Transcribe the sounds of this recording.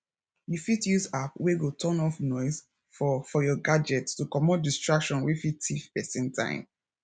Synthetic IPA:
jufitjuzapweɡotʰɔ̃nɔfnɔɪz | fɔfɔjɔɡad͡ʒɛttukɔmɔt̚distɹakʃɔ̃nwifitʰifpɛsɛ̃ntʰã̰ɪ̃m

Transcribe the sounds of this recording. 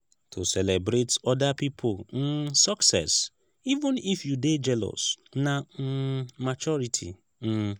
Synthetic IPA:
tʰosɛlebɾetɔdapipʰoln̩saksɛ̰s | ivũnifjuded͡ʒɛlɔ̰sna | mat͡ʃɔɾitʰḭ | n̩

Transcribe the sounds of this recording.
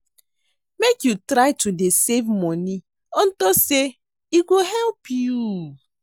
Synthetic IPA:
mekjutɾaɪtudesevmɔni | ɔ̃ntɔse | iɡoɦɛlpju

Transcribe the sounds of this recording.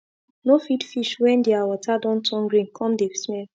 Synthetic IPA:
nofidfiʃwɛ̃ndeawɔtʰadɔ̃ntʰɔ̃ŋɡɾĩnkʰɔ̃mdesmɛl

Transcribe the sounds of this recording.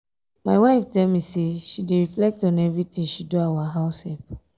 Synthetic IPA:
maɪwaɪftɛlmiseʃideɹiflɛk̚tɔ̃nɛvɹitĩŋʃiduawaɦaʊshɛp

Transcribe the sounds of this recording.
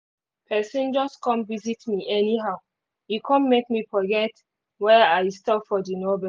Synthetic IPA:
pʰɛsĩnd͡ʒɔstkɔ̃nvizitmiʔɛniɦaʊ | jukʰɔ̃nmek̚mifɔɡɛt | wɛaɪstɔpfɔdinɔbɛ

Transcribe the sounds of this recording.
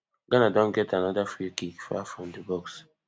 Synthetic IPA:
ɡ̥ɔnadɔ̃nɡɛtanadafɹikikfa̰fɹɔ̃mdəbɔks

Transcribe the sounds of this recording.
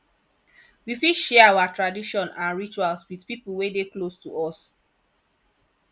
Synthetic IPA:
wifiʃɛawatɹadiʃɔ̃nãnɹit͡ʃualswiθpipul̩wedeklostuʔɔs

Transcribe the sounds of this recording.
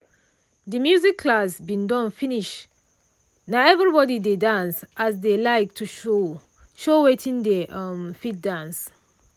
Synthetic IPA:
d̪əmjuzikʰːlasbĩndɔ̃nfiniʃ | naɛvɹibɔdidedãnsʔas̬delaɪk̚tʰuʃo | ʃowetʰĩndeʔʌmfit̚dãns

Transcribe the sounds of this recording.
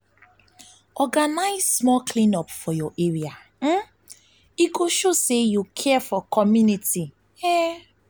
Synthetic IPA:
ɔɡanaɪzsmɔlklĩnɔpfɔjɔʔeɾia | m̩ | ikoʃosejukʰɛfɔkʰɔmjuniti | e

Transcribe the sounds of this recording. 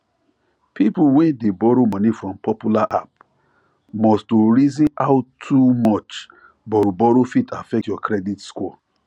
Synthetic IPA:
pʰipuwɛ̃ndebɔɾomɔ̃nifɹɔ̃mpɔpjulaʔa̰p | mɔstoɹizĩnaʊtʰumɔt͡ʃ | bɔɾbɔɾofitʰa̰fɛtjɔkɾɛditskɔ

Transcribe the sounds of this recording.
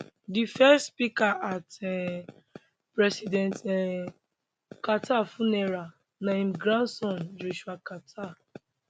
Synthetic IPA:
difɛstspikaʔatɛ | pɹɛsidɛ̃ntɛ | katʰafunɛɾa | nãĩmɡɾãnsɔ̃nd͡ʒoʃuakatʰa

